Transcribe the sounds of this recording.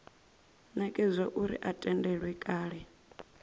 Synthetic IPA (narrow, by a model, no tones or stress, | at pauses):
nɛkʼɛzʷɔʔuɾḭʔatʼɛndɛɺwɛkʼaːɺɛ